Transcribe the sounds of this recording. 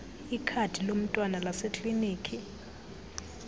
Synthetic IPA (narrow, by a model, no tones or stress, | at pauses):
ikʰatʰilom̩tʼwanalasekʼliniːkʰi